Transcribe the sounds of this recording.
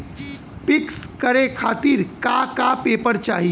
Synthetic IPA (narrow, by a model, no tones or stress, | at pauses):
pɪkskəɾekʰaːt̪iɾkakapeːpəɾt͡ʃaːɦi